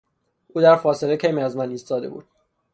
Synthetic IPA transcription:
uːd̪æɾfɒːse̞lecʰejmiæzmæniːst̪ɒːd̪e̞bṵːd̪̥̚

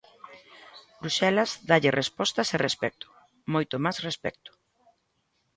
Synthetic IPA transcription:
bɾuʃɛlazd̪aʎɪrʔespɔst̪ɐserespɛk̚t̪ʊ̥ | mojt̪ʊmasrespɛ̰k̚t̪ʊ̥

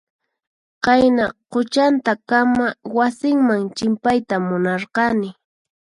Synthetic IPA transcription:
qajnaqʊt͡ʃant̪akamawasɪŋmaŋt͡ʃɪmpajt̪amʊnɑɾqɑnɪ

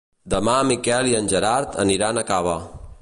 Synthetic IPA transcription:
d̪əmamikɛliənʲʒəɾaɾt̪ʰə̰niɾanəkaβə

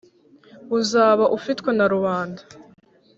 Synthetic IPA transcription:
uzaːβaʔufitwenaɾuβaːndḁ

